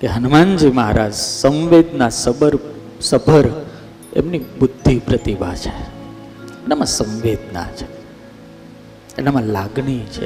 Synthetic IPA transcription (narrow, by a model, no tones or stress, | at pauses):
keɦənmand͡ʒimaɦaɾad͡ʒsə̃ʋʋed̪nasəbəɾ | səbʱəɾ | ḛmnibud̪ʱːipɾət̪ibʱa̰t͡ʃʰe̥ | enamãsə̃ʋʋed̪na̰t͡ʃʰe̥ | enamãlaɡɳit͡ʃʰḛ